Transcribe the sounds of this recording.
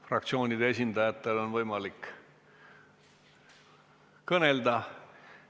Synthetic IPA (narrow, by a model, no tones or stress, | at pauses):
frɑk̚t̪sio̞ːnʲid̪ees̬ʲind̪ɑjɑt̪ːˑe̞lo̞nvɤjmɑlik | kɤne̞ld̪ɑ